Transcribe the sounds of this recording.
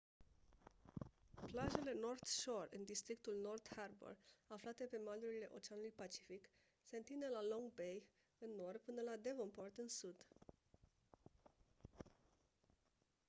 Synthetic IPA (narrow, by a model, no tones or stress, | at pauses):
plaʒe̞le̞no̞rt̪ʃo̞rɨnd̪ist̪ɾik̚t̪ulno̞rd̪harbo̰raflat̪e̞pe̞maluɾile̞ʔo̞t͡ʃeanulujpat͡ʃi̥fik | se̞ɨnt̪ind̪e̞lalo̞ŋɡ̚be̞j | ɨnːo̞rd̪̚pɨnəlad̪e̞vompo̞rt̪ɨnsud̪